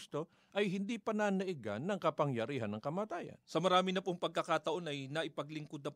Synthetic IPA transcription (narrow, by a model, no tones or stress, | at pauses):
st̪o̞ | ʔɐjɦɪnd̪iːpɐnanɐʔɪɡa̰nːɐŋkɐpɐŋjɐɾiːɦɐnːɐŋkɐmaːt̪aːjɐ̰nsɐmɐɾaːmɪnɐpoŋpɐɡ̚kɐkat̪ɐʔo̞nɐjnɐʔɪpɐɡlɪŋkod̪̚nɐ